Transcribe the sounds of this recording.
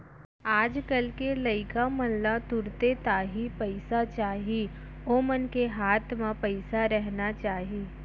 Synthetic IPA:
aːd͡ʒkəlkelɐɪkamɐlːat̪ʊɾt̪et̪aːɦipɐɪsat͡ʃaːɦi | oːmənkeɦaːt̪ʰmãpəɪsaɾɛɦnat͡ʃaːɦiː

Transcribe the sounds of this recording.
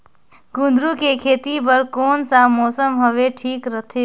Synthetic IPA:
ɡũnd̪ɾukekʰeːt̪ipəɾkoːnsamɔːsəmɦəʋeʈʰiːkɾət̪ʰeː

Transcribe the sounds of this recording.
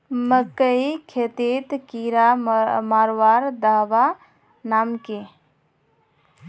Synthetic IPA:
məkəikʰet̪et̪kiɾamaːɾʋaːɾd̪aːʋa | naːmke

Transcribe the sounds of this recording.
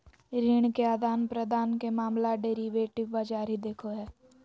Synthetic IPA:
ɾɪɽ̃keaːd̪aːnpɾəd̪ʱaːnkemaːmlaɖeːɾiʋeːʈɪʋːad͡ʒaːɾɦid̪eːkʰoɦɛː

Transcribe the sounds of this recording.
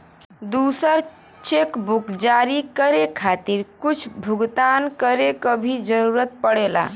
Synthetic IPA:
d̪usəɾ | t͡ʃekbukd͡ʒaɾikəɾekʰat̪iɾkut͡ʃʰbʱuɡt̪ankəɾekəbʱid͡ʒəɾuɾət̪̚pəɽela̰

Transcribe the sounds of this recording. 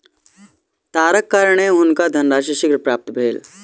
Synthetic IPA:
t̪aɾəkːaɾɳeɦunkad̪ʱənɾaɕiɕikɾəpɾap̚t̪əbʱeːl

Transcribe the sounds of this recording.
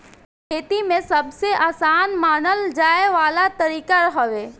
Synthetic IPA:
kʰeːt̪imẽsəbseʔaːsaːnmaːnəld͡ʒaːeʋaːlat̪əɾiːkaɦəʋeː

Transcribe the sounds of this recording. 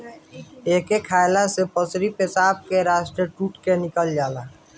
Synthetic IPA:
eːkekʰːaːjlasepəsɾipɪsaːb̚keɾaːʃʈɾeʈuːʈkenɪkəld͡ʒaːlaː

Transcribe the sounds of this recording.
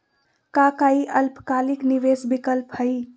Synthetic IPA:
kakaiʔəlpkalikniʋesbikəlphəj

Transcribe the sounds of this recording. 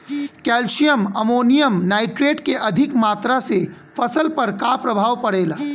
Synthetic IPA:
kɛːlʃijəmɐmoːnijəmnaːɪʈɾeːʈkeʔɐd̪ʱɪkmaːt̪ɾase | fɐsəlpɐɾkapɾɐbʱaːʋpɐɽeːla

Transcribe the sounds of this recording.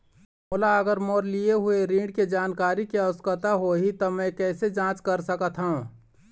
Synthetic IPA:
mʊlaɐɡəɾmoːɾlieɦʊeɾĩːɖked͡ʒaːnkaːɾikeɐʋəskət̪aɦoːɦit̪ɔmɛ̃kɛːsed͡ʒãːt͡ʃkəɾsəkət̪ɦaũ

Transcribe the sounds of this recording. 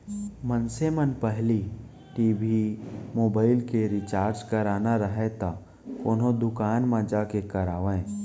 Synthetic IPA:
mənsemənpɛɦli | ʈiːbʱimoːbaːɪlkeɾit͡ʃaːɾd͡ʒkəɾaːnaɾəɦet̪a | koːnɦõd̪ʊkaːnmẽd͡ʒaːkekəɾaːʋẽː

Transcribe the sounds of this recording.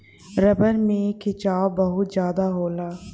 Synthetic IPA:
ɾəbəɾmẽkʰɪt͡ʃaːbəɦʊt̪d͡ʒjaːd̪aɦoːlaː

